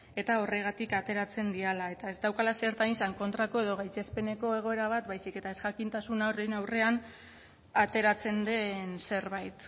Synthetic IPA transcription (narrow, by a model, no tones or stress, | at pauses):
e̞t̪ao̞re̞ɣ̞at̪ikat̪e̞ɾat͡se̞nd̪ialae̞t̪ae̞zd̪awkalaseɾt̪anisaŋko̞nt̪ɾako̞e̞ð̞o̞ɣ̞ajt͡se̞spe̞ne̞ko̞e̞ɣ̞o̞e̞ɾaβ̞at̪bajsike̞t̪ae̞sʝakint̪asunarenawre̞an | at̪e̞ɾat͡se̞nd̪e̞nse̞ɾβajt̪